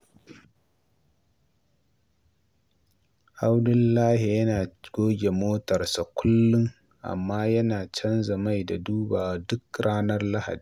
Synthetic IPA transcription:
ʔa˦wdʊ˦lːaː˦hi˨jɐ˦naː˨ɡ̥oː˦ɡʲe˨moː˦tɐ˨ɾsa˨kʷʰʊ˦lːʊ˦ŋ | ʔa̰˨mːaː˦jɐ˦naː˨t͡ʃɐ˦nzɐ˨ma˦jda˨duː˦baː˨wa˨dʊ˦kɽaː˦nɐ˦rla˦ha̰˨diː˨

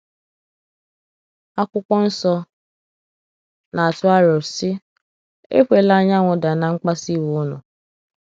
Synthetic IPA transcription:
a˦kʷʊ˦kʷɔ˦n̩˦sɔ˦ | na˨a˨tʊ˦a˦ɾɔ˨ɾsɪ˦ | ḛ˦kʷe˨la˦ɲa˦ŋʷʊ˨da˨na˨ŋ͡m̩˦k͡pa˦si˦wu˨˦nʊ̰˨

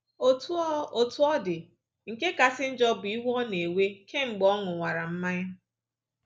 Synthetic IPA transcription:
o˦tu˦o˨tʊ˦ɔ˦dɪ˨ | ŋ̩˨ke˦ka˨sɪ˦n̩˦d͡ʒɔ˦bʊ˨i˦ɦɔ˦ne˨we˦kʰe˦ŋ͡m̩˨ɡ͡bɔ˦ŋʊ˨ŋʷa˨ɾa˨m̩˦ma˦ɲa˦

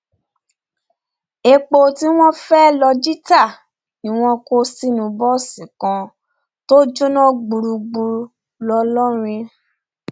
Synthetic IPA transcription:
e˧k͡po˧ti˦w̃ɔ̃˦fɛ˦lɔ˧d͡ʒi˦ta˦˨ | nĩ˨w̃ɔ̃˧ko˧˦si˦nũ˧bɔ˦˨si˨kã˧ | to˦d͡ʒo˦nã˦ɡ͡bu˧ɾu˧ɡ͡bu˧ | lɔ˧lɔ˦ɾ̃ĩ˧

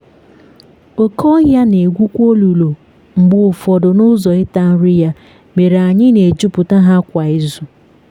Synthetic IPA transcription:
o˨kʰɔ˦ɣja˦ne˨ɡʷu˦kʷo˦lu˨lo˨ | ŋ͡m̩˨ɡ͡bʊ˨fɔ˨dʊ˨nʊ˦zɔ˨ɪ˦ta˦n̩˦ɾɪ˦ja˦ | me˨ɾa˨ɲɪ˦ne˨d͡ʒʊ˦pʊ˨ta˦ɦa˦kʷa˨ɪ˦zu˨

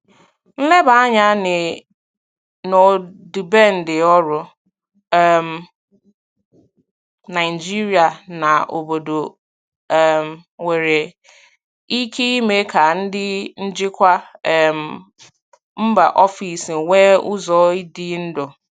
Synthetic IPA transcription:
n̩˦lɛ˦baː˨˦ɲã˦nɪ̃˨ | nɔ˨di˨bɛ˦n̩˨dɪ˨ɔ˦ɾʊ˨ | ɛ˨m | nã˨ɪ˨d͡ʒi˦ɾi˦a˨nã˨ʔo̰˨bo˨do˨ | mwe˨ɾe˨ | i˦kʰi˦me˨˦kʰa˨n̩˦dɪ˦n̩˦d͡ʒɪ˦kʷa˦ɛ˨m | m̩˦ba˨ʔɔ˦fi˨swɛ˦ʊ˦zɔ˨˦i˦di˦n̩˦dʊ˨

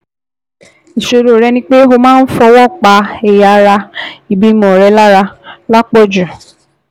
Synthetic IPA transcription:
i˨ʃo˧ɾo˨ɾɛ˧nĩ˧˦k͡pe˦ɦo˧mãː˦n̩˦fɔ˧wɔ˦˨k͡pa˨˦ɛ˨ja˨˦ɾa˧i˨bi˦mɔ̃˨ɾɛ˨˧˦la˦ɾa˧la˦k͡pɔ˦˨d͡ʒã˨

